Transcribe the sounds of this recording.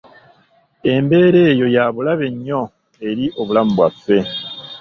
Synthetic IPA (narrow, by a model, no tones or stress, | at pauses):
e̞mbe̞ːɾe̞ːjo̞jaβulaβe̞ɲːo̞ | e̞ɾiʔo̞βulamubwafːe̞